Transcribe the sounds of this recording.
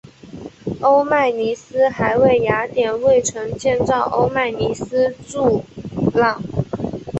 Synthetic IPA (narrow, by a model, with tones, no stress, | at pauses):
o˥ʊma˥˩ɪni˧˥sɹ̩˥xa˧˥ɪwe˥˩ɪja˧˥t̪jɛ˨˩nwe˥˩ɪʈ͡ʂʰɤ˧˥ŋt͡ɕjɛ˥˧nt͡sɑ˥˩ʊʔo˥ʊma˥˩ɪni˧˥sɹ̩˥ʈ͡ʂu˥˧lɑ˥˩ŋ